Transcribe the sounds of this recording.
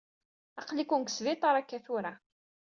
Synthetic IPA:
ɑqlikunksvit̪ˤɑɾˤækːæθʊɾa

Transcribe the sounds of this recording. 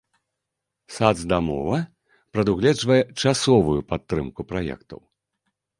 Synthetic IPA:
sad̪zd̪amɔ̰vɐ | pɾɐd̪uɣlʲɛʐvɐjɛt͡ʂasɔvujupat̪ːɾɨmkupɾajɛ̰kt̪ɐ̰w

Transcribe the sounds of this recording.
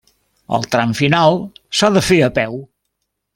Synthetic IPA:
ə̰lˠt̪ɾamfinalˠsaðəfeəpɛw

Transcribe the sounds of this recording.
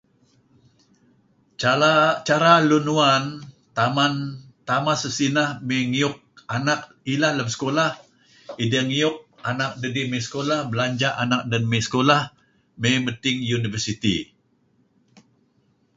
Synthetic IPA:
aat͡ʃaɾalunuan | t̪amant̪amasəsinahmeŋiʊk̚anak̚ | ilahləmsə̥kolah | idəŋiʊk̚anak̚dədimesə̥kolahbəlaɲd͡ʒaʔanak̚danmesə̥kolah | memət̪ɪŋjunivərsit̪ḭ

